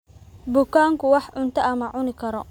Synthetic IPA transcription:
bʊkʰaːŋkʰʊwɑħʕʊnt̪ʰɐʔɐmɐʕʊnɪkʰɐɾɔ

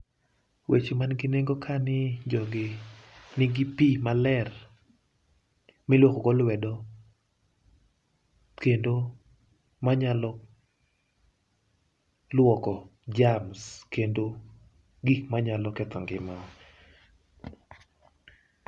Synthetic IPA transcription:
wʔet͡ʃomanɡɪneŋɡokʰanɪd͡ʒɔɡɪnɪɡipimalɛr | mɪlwokoɡɔlwɛdɔ | kendo | maɲalɔ | lwɔkɔd͡ʒamskendo | ɡikmaɲalɔkɛt̪ɔŋɡɪmaɔ

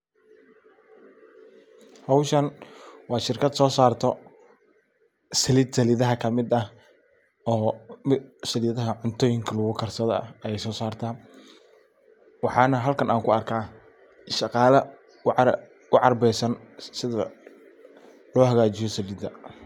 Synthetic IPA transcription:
hɐwʃɐnwɑːʃɪrkʰɐd̪sɔːsaːrt̪ʰɔ | sɐlɪːd̪sɐlɪðɐɦɐkʰɐmɪd̪ɐ | ɔːmɪsɐlɪðɐɦɐʕʊnt̪ʰɔːjɪŋkʰɐlʊɣʊkʰɐrsɐðɐɐjɛjsɔːsaːrt̪ʰaː | wɑħɑːnɐɦɐlkʰɐnʔaːŋkʰʊɐrkʰaː | ʃɑqɑːlɐ | ʊʕɑrbɛjsɐn | sɪðɐ̰ | lɔːɦɐɣaːt͡ʃɪjɔsɐlɪːd̪ɐ̰

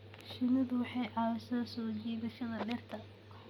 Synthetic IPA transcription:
ʃɪnɐðʊwɑħɑjʕɑjsɐsɔːd͡ʒiːðɐʃɐðɐɖɛrt̪ʰɐ

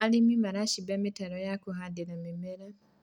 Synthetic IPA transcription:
alimimaɾaʃibeːmitaɾojakuɦadilamimeɾa

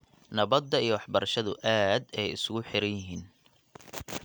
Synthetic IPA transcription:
nɐβɐd̪ːɐijɞwɑħbɐɾɐʃɐðʊʔaːd̪ɛjɪsʊɣʊħɪɾɐjjɪɦiːn

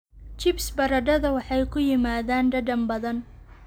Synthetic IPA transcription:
t͡ʃɪbsbɐɾɐɖɐðɐwɑħɑjkʰʊjɪmaːðaːnɖɐɖɐmbɐðɐn

